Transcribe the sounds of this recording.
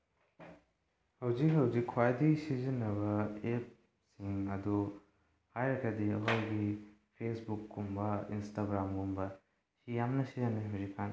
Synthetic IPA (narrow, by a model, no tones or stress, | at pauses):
hɐwzikɦɐwzikʰːwajdisizinɐβɐep̚ | siŋɐdu | hajɾɐkʰɐdiɐɦowɡipʰesbukːumbɐḭnstaɡɾamɡumbɐ | sijamnɐsizɐnːiɦɐwzikʰːan